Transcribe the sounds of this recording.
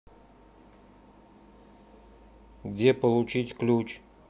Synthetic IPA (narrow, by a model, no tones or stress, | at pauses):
ɡdʲepəlˠʊt͡ɕitʲklʲut͡ɕ